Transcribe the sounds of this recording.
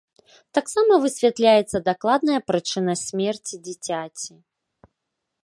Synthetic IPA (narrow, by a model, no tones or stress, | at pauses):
t̪aksamɐvɨsʲvʲɛt̪lʲajɛt̪sːɐd̪aklˠad̪nɐjɐpɾɨt͡ʂɨnɐsʲmʲɛrt͡sʲid͡zʲit͡sʲat͡sʲi